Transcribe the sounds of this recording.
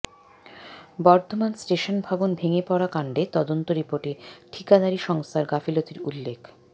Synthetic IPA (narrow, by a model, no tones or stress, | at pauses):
bɔɾt̪ʰomansʈeʃonbʱabonbʱeŋepɔɽakaɳɖet̪ɔd̪ont̪oɾipoɾʈeʈʰikad̪aɾiʃɔŋst̪ʰaɾɡafilot̪iɾulːekʰ